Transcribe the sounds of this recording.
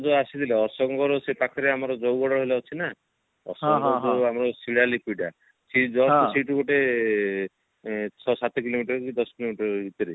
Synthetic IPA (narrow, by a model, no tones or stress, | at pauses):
d͡ʒɔasid̪ileɔɾsɔŋɡɔɾɔsepakʰɔɾeamɔɾɔd͡ʒɔwɡɔɽɔɦolaɦot͡ʃʰina | ɔ̰ɾsɔɡɔɾt̪oamɔɾɔsiɽalipiɖa | sid͡ʒɔɔsiʈukoʈe | t͡ʃʰɔsat̪ekilomiʈɔɾkid̪ɔsɔkilomiʈɔɾbʱit̪ɔɾi